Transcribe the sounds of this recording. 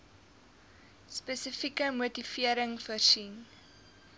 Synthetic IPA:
spɛsəfikəmuətifiəɾəŋfərsin

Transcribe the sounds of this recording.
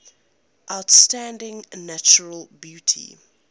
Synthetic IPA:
ʔaʊtstãndɪ̃ŋnat͡ʃəɹəlbjutʰḭ

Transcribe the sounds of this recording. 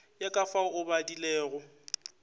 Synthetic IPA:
jakʼafaʊbadileːɣʊ

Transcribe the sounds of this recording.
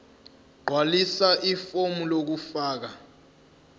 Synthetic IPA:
ɡ͡ǃʱwalisaʔifomulok̬ufaːk̬a

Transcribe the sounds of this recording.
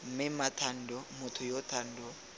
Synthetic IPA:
m̩mɪmatʰan̩dɔmʊtʰʊjɔtʰan̩dɔ

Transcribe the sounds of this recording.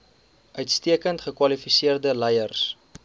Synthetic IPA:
ʔœɥtstiəkəntχəkwɐlifisiərdəlɛjərs

